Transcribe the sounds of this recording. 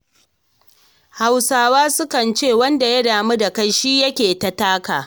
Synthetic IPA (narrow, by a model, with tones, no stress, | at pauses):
ha˨wsaː˨waː˦sʊ˦kɐ˨nt͡ʃeː˦˨wɐ˦nda˨jɐ˦daː˨mu˦da˨kɐ˦nʃiː˦jɐ˦kʲeː˨ta˨taː˦kaː˨